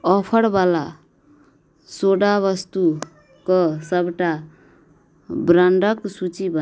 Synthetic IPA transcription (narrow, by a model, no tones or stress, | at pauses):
ʌpʰʌɽbala | soɽaβʌst̪u | kosʌbʈa | bɾaɳɖʌksut͡sibʱʌ